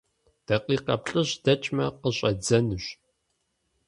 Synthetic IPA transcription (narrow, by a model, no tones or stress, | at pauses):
d̥ɐqʼiːqɐpɬʼɨɕd̥ɐt͡ʃʼmɐqəɕʼɐd͡zɐnɨɕ